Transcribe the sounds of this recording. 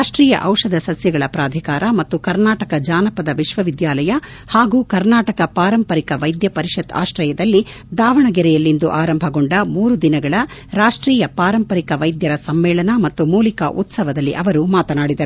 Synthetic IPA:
aːʂʈɾiːjɐ̰ʔɐwʂɐd̪ɐsɐsjɐɡɐɭɐpɾaːd̪ʱikaːɾɐmɐt̪ːukɐɾnaːʈɐkɐd͡ʒaːnɐpɐd̪ɐʋiʃʋɐʋid̪jaːlɐjɐ | haːɡuːkɐɾnaːʈɐkɐpaːɾɐmpɐɾikɐʋɐjd̪jɐpɐɾiʃɐd̪a̰ːʃɾɐjɐd̪ɐlːi | d̪aːʋɐɳɐɡɛɾɛjɐlːind̪uʔaːɾɐmbʱɐɡoɳɖɐmuːɾud̪inɐɡɐɭɐɾaːʂʈɾiːjɐpaːɾɐmpɐɾikɐʋɐjd̪jɐɾɐsɐmːɛːɭɐnɐmɐt̪ːumuːlikɐ̰ʔut̪sɐʋɐd̪ɐlːiʔɐʋɐɾumaːt̪ɐnaːɽid̪ɐɾuu

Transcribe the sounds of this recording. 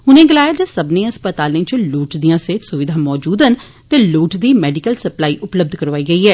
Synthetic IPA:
ɦʊnẽːɡɪlaːjad͡ʒəsəbnẽːəspət̪aːlẽːt͡ʃluːʈd̪ijãːseːsʊʋɪd̪ʱãːmɔːd͡ʒuːd̪ən | t̪eːluːʈd̪iːmɛːɖɪkəlsəplaːiːʔʊpləb̚d̪ʱkəɾʋaːiːɡəiːɦɛː

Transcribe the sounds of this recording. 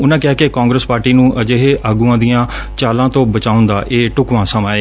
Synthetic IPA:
ʊnãːkɪaːkekãːŋɡɾəspaːɾʈiːnũːʔəd͡ʒeːɦeːʔaːɡuːãːd̪ijãː | t͡ʃaːlãːt̪õːbət͡ʃaːʊ̃nd̪aːʔeːʈʊkʋãːsəmaːeː

